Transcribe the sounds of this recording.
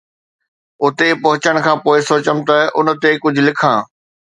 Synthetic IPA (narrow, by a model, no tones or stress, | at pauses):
ʊt̪epɐɦʊt͡ɕəɽ̃kʰãːpoːɪsoːt͡ɕəmt̪ɐʔʊn̆t̪ekʊd͡ʑʱʊlɪkʰãː